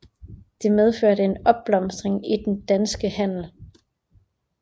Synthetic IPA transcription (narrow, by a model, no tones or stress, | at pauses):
d̥e̝með̞ˠføɐ̰ɾəe̝nɒ̽b̥̚lɒ̽msd̥ʁeŋid̥end̥ænsɡ̥əhæn̰l̩